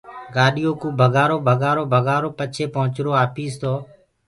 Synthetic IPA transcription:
ɡaːɗɪjoːkũːbʱəɡaːɾoːbʱəɡaːɾoːbʱəɡaːɾoːpət͡ʃʰeːpəɦʊt͡ʃɾoːaːpiːst̪oː

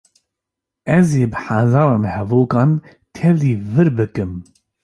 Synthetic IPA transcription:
ɛzeːbɨħazɑːɾɑːnhɛvoːkɑːn | t̪ʰɛvliːvɨɾbɨkɨm

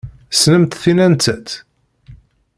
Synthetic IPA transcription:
snəmt̪θinænt͡s̪æt̪

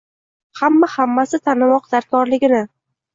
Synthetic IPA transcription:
hamːahamːasɪt̪ʰanɪmɒqd̪̥aɾkʰɒɾlɪɡʲɪnɪ

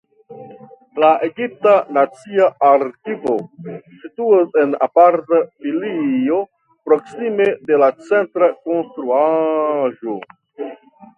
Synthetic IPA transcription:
laʔe̞ɡip̚tanat͡siaaɾkivo̞situase̞na̰paɾtafilio̞ | pɾo̞ksimede̞lat͡sentɾako̞nstɾuaʒo̞

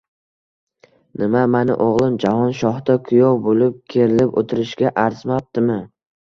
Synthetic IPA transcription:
nɪmamanɪ̰ʔoʁlˠɪmd͡ʒahɒnʃɒhd̪akʰʊjɒwbolɪp̚kʲʰeɾɪlɪpo̰t̪ʰɪɾɪʃɡʲaʔaɾzmap̚t̪ɪmɪ

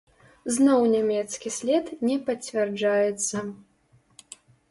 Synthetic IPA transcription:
znɔwnʲamʲɛt̪skʲisʲlʲɛt̪nʲɛpɐt͡sʲvʲɛrd͡ʐajɛt̪sːɐ

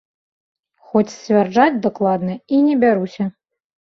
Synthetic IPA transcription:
xɔt͡sʲsʲvʲard͡ʐat͡sʲd̪aklˠad̪nɐinʲɛbʲaɾusʲɐ

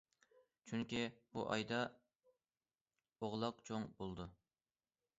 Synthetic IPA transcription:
t͡ʃʰyŋkʲib̥uʔɑ̰jd̪ɑ | oʁlˠɑq̚t͡ʃʰoŋbolˠd̪u

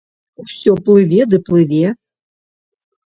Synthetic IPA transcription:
usʲɔplˠɨvʲɛd̪ɨplˠɨvʲɛ

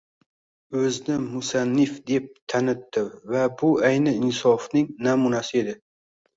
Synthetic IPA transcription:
ɵznɪmʊsanːɪfd̪e̞p̚t̪ʰanɪt̪ːɪvabʊajnɪɪnsɒfnɪŋnamunasɪe̞d̪ɪ

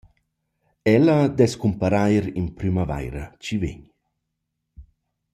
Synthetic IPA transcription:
ɛlɐd̪ɛskumpaɾajɾinpɾymava̰jɾɐt͡ʃivḛɲ

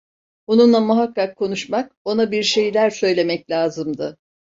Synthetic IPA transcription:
onunlˠamuɦakːakʰːo̞nuʃmak̚o̞nabiɾʃe̞jlʲæɾsø̞jlʲe̞mɛclʲaːzɯmd̪ɯ

